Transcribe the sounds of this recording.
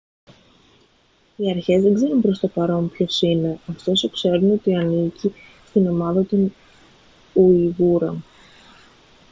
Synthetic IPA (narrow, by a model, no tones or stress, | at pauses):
iɐɾçe̞zðe̞ɡze̞ɾunpɾo̞st̪o̞pɐɾo̞mpço̞sine̞ɐft̪o̞sokse̞ɾuno̞t̪iɐnicist̪ino̞mɐðɐt̪o̞n | uiɣuɾɐm